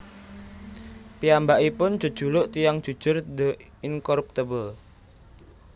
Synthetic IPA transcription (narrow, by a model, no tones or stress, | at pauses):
piambaʔipʊnd͡ʒ̥ṳ̥ʒ̥ṳlʊʔt̪ijaŋd̥ʒ̥ṳ̥ʒ̥ʊrd̪ə | ɪŋkɔɾup̚t̪əbəl